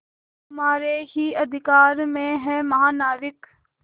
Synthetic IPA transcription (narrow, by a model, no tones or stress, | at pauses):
ɦɐmaːɾeɦiɐd̪ʱɪkaːɾmẽɦɛ̃mɐɦaːnaːɾɪk